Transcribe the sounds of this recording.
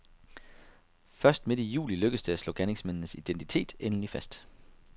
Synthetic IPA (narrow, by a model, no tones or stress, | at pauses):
fɶɐsd̥me̝d̥ijṵːliløɡ̥əsd̥e̝æslɔ̰̽ɡ̥æneŋsmennəsid̥ent͡sʰi̥t͡sʰe̝̰ːd̥enlifæsd̥